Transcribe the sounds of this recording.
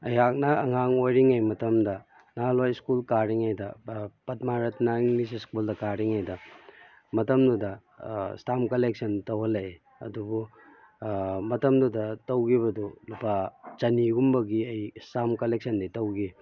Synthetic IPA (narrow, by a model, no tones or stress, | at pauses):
ɐjak̚nɐɐŋaŋojɾiŋajmɐtɐmdɐ | nalajskulkaɾiŋajdɐpɐt̚maɾɐtʰnaiŋlis̬iskuldɐkaɾiŋajdɐ | mɐtɐmdudɐ | stamkɐlek̚sɐntɐwɦɐlɐ | ɐ̰dubu | mɐtɐmdudɐtɐwɡiβɐdulupat͡ʃɐniɡumbɐɡiɐjstamkɐlek̚sɐnditɐwɡi